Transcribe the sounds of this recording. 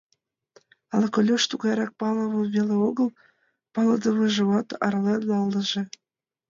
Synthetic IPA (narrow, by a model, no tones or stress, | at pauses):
ɑlɤkolʲoʃt̪uɣɑjɾɑk̚pɑlə̆βɤ̆βeleoɣəl | pɑlɤd̪ə̆βɤʒĕβɑt̪ɑ̰rlenɑlːə̆ʒĕ